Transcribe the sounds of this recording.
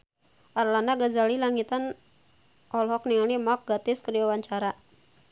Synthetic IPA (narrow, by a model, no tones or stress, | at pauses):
ʔarlandaɡazalilaŋit̪an | ʔɔlɦɔk̚niŋalimak̚ɡat̪ɪskəɾiawaɲt͡ʃaɾa